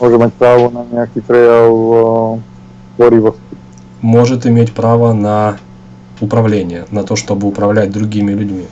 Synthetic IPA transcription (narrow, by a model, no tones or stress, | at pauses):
moʐɨmʲet̚ʲpɾavʊnɐnʲeakʲit̪ɾʲelˠ | boɾʲivosi | mo̞ʐɨt̪ɪmʲetʲpɾavənɐ | ʊpɾɐvlʲenʲɪjənɐt̪o̞ʂt̪o̞bɨʊpɾɐvlʲæt̚ʲd̪ɾʊɡʲimʲɪlʲʉdʲmʲi